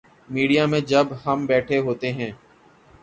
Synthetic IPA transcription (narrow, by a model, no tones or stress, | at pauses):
miːɖijamẽd͡ʒəbɦəmbɛːʈʰeɦoːt̪eɦɛ̃ː